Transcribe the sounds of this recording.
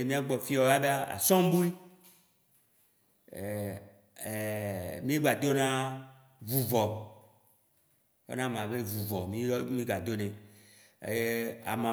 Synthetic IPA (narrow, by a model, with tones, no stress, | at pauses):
e˨mĩ˦a˦ɡ͡bɔ˨fi˦ɔ˨ja˦ɖa˦a̰˨sɔ̃˦m˦bu˦i˦˨ | e˨mĩ˦e˦ɡ͡ba˨d̪o˦nã˦ | vu˨vɔ˨ | o̰˦nã˦˨mã˨be˦vu˨vɔ˨mĩ˦mĩ˦ɡa˨d̪o˦nḛ̃˨ | je˦a̰˨mã˨